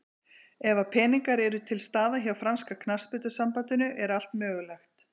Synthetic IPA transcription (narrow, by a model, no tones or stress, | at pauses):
ɛvapʰɛːniŋkaɾɛɾʏt̪ʰɪlst̪aːðaɦjawfɾanskakʰnaspʏt̪ʏsampant̪ʏnʏʔɛɾal̥t̪mœːɣʏlɛxt̪